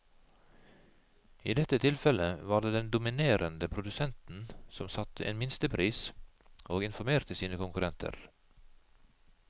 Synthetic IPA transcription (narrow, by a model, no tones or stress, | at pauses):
iːd̪ɛt̪ət̪ʰɪlfɛləʋɑːɾɖ̪eːd̪ɛnd̪ʊmɪneːɾʔənd̪əpʰɾʊd̪ʉsɛnt̪n̩sɔmsɑt̪əʔḛːnmɪnst̪əpʰɾiːs | ʔoːɡɪnfɔɾmeːɾt̪əsiːnəkʊŋkʉɾɛnt̪ʰə̰ɾ